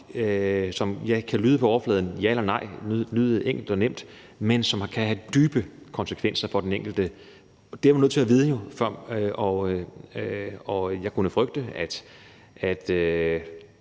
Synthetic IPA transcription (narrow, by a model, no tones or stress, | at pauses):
sɒ̽mjɑ̈ɪkʰælyːð̞ˠpʰɒ̽ɒɐflɛːð̞ˠn̩jæelɐnɑ̈ɪ̰lyðˠeŋ̰ɡ̥l̩d̥ɒ̽nem̰d̥ | mensɒ̽mkʰæhæd̥yːb̥əkʰɒ̽nsə̥kʰʋen̰sɐfɒ̽d̥eneŋɡ̥l̩d̥ə | d̥eæmnøð̰ˠt͡sʰeæʋiːð̞ˠəjo̝fɶɐ̰ʔɒ | ɒ̽jɑ̈ɪkʰunəfʁœɡ̥̚d̥əæd̥ | æd̥ø